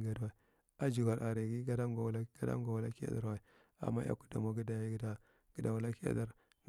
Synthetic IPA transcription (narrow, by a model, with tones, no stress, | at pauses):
ɡa˨dwa˨i˨ | a˦d͡ʒu˨ɡa˨ɾʔa˨ɾi˨ɡi˦ɡa˦da˦ɡlɡa˦da̰˦ŋ˦ɡa˨wu˨la˦ki˦ja̰˨da˨ɾwa˨i˨ | a̰˨mːa˦a̰˦ku˦da̰˨mo˨ɡi˦da˨ji˦da˦ | ɡ̥ə˨da˨wu˨la˦ki˦a̰˦da˦ɾ | n